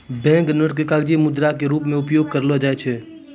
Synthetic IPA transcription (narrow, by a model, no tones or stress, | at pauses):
bɛ̃ːŋknəʈkekaːɡd͡ʒimʊd̪ɾak̬eɾuːpmẽʊpjoːɡ̚kɐɾlod͡ʒaːet͡ʃʰe